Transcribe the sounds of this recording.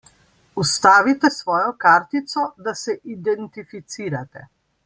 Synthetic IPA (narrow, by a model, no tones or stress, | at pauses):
ust̪aːʋit̪ɛsʋɔːjɔkaːɾt̪it̪sɔd̪asɛʔid̪ɛnt̪ifit̪siːɾat̪ɛ̰